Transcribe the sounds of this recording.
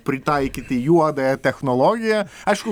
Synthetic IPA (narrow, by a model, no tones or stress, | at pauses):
pʲɾʲɪt̪ɑɪkʲɪt̪ʲɪjuɔd̪ɐɛt̪ʲɛxnɔlˠɔɡʲɪjɐɐɪʃkʊ